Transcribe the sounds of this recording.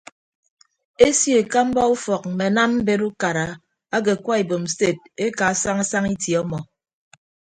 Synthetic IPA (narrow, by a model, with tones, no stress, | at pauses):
e˦sje˨ka˦m̩˦bɔ˦u˦fɔ˨k̚m̩˨me˨˦na˦mm̩˦be˦ɾu˦ka˨ɾa˨ | a˦ɡe˨kwa˦e˨bo˨m̩˨se˦˨t̚e˦ka˨sa˦ŋa˦sa˦ŋi˦tjɔ˦mɔ˨